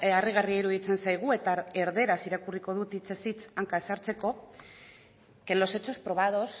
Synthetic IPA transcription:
ariɣ̞ariaiɾuðit͡se̞nsajɣ̞ue̞t̪ae̞ɾðe̞ɾasiɾakuriko̞ð̞ut̪it͡sesit͡saŋkae̞saɾt͡se̞ko̞ | ke̞nlo̞se̞t͡so̞spɾo̞β̞að̞o̞s

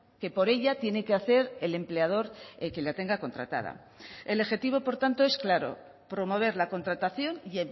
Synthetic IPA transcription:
ke̞po̞ɾe̞ʎat̪je̞ne̞keaθe̞ɾe̞le̞mple̞að̞o̞ɾke̞lat̪e̞ŋɡako̞nt̪ɾa̰t̪a̰ð̞a̰ | e̞loxe̞t̪iβo̞po̞ɾt̪ant̪o̞e̞sklaɾo̞̰ | pɾo̞mo̞β̞e̞ɾlako̞nt̪ɾat̪aθjo̞nje

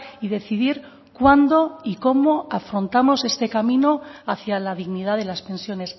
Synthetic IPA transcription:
iðe̞θiðiɾ | kwand̪o̞iko̞mo̞afɾo̞nt̪amo̞se̞st̪e̞kamĩno̞aθjalaðiɣniðaðe̞laspẽ̞nsjo̞ne̞s

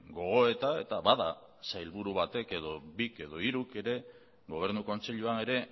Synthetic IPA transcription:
ɡo̞ɣ̞o̞e̞t̪ae̞̰t̪aβaða | sajlβuɾuβat̪e̞ke̞ðo̞bike̞ðo̞iɾukeɾe̞ | ɣo̞β̞e̞ɾnuko̞nt͡se̞ʎuane̞ɾe̞

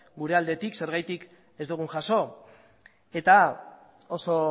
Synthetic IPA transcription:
ɡuɾe̞ald̪e̞t̪ikse̞ɾɣ̞ajt̪ik | e̞zd̪uɣ̞uŋʝaso̞ | e̞t̪a | o̞so̞

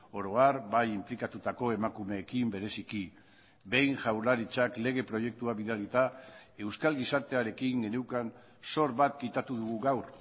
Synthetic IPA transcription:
o̞ɾo̞aɾbajimplikat̪ut̪ako̞e̞makume̞ːkimbe̞ɾe̞siki | be̞jnʝawɾlaɾit͡ʃakle̞ɣ̞e̞pɾo̞je̞k̚t̪uaβiðalit̪ae̞wskalɣisaɾt̪e̞aɾe̞kiŋɡe̞newkan | so̞ɾβat̪kit̪at̪uðuɣuɣawɾ

